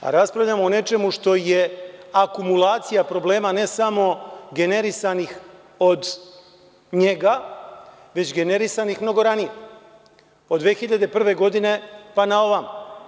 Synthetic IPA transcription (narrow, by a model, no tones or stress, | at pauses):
a̰ɾaspɾavʎamoone̞t͡ʃe̞muʃt̪o̞je̞akumulˠaːt̪sijapɾo̞ble̞ːmane̞samo̞ɡe̞ne̞ɾisanix | o̞d̪ | ɲe̞ɡa | ʋe̞t͡ɕɡe̞ne̞ɾisanixmno̞ɡo̞ɾanije | od̪ʋeːxiʎad̪e̞pr̩ʋe̞ɡo̞d̪ine̞panao̞ʋam